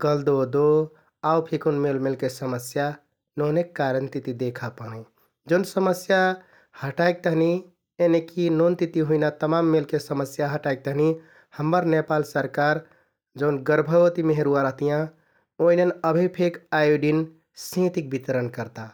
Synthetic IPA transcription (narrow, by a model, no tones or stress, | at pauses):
ɡəld̪od̪o | aupʰekunmelmelkesəməsja | nonekːaɾənt̪it̪id̪ekʰapəni | d͡ʒəʊnsəməsja | həʈaek̚t̪əɦni | enekinont̪it̪iɦuinat̪əmamːelkesəməsjaɦəʈaik̚t̪əɦni | həmːəɾnepalsəɾkaɾ | d͡ʒəʊnɡəɾbʱəʋət̪imeɦeɾuaɾəɦt̪ijã | oinenəbʱipʰekajuɖin | sĩt̪ik̚bit̪ɾənkəɾt̪a